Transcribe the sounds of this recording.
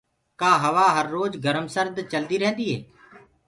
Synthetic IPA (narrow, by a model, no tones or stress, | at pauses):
kaːɦəʋaːɦəɾːoːd͡ʒɡʱəɾəmsəɾd̪t͡ʃəld̪iːɾɛɦnd̪iːɦḛː